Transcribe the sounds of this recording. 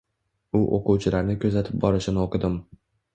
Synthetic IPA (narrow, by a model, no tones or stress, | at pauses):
ʊʔo̰quwt͡ʃʰɪlaɾnɪkʲʰɵzat̪ʰɪp̚bɒɾɪʃɪnɪoqɨd̪ɪm